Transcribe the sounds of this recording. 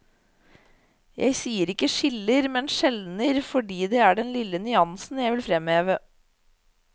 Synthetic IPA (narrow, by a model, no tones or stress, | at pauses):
jʔæ̰ɪsiːəɾɪkːəʂɪləɾmɛnʃɛlnəɾfɔɖiːd̪ɛæɖɛnlɪlːənʏɑnsn̩jæɪʋɪlfɾɛmheːʋə